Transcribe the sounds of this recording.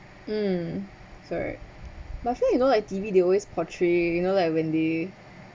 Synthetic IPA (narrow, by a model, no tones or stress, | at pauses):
m̩ | sɔɹa̰t̚bafijunolaɪk̚tivideɔlwespʰɔtʰɹejunolaɪkwɛ̃nde